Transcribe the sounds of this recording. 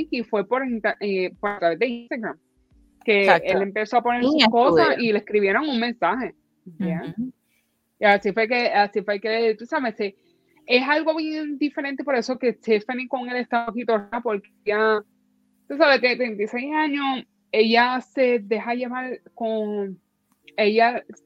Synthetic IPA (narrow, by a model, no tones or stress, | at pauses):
kifwe̞po̞ɾent̪aʔepoɾat̪ɾaβe̞zd̪einst̪aɣɾam | keʔelempe̞soapo̞neɾsuko̞sasilehkɾiβje̞ɾo̞ŋuŋmẽnsahe̞ | ja | iasifwekeasifweket̪usaβese | e̞salɣoβjend̪ifeɾe̞nt̪epo̞ɾe̞so̞ke̞t̪efaniko̞ŋeleht̪aokit̪oɾapo̞ɾkeeja | t̪usaβet̪ent̪ent̪ise̞jsaɲo̞s | e̞ʝase̞ðe̞haʝe̞βaɾko̞ŋ | e̞ʝa